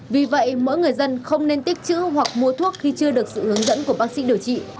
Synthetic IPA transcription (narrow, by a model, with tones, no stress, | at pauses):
vi˨˩və̰˧˨jmo̰˧˥jŋɨ˨˩əjzə˧nxə˧wŋ͡mne˧nt̪i˦˥k̟̚t͡ɕɨ̰˧˥ɦwa˨˩k̚mu˧ət̪ʰu˦˥ək̚xi˧t͡ɕɨ˧əɗɨ˨˩ək̚sɨ̰˧˨hɨ˨˦əŋzə̰˧˥nku˧˩əɓaː˦˥k̚sḭ˧˥ɗi˨˩əwt͡ɕḭ˧˨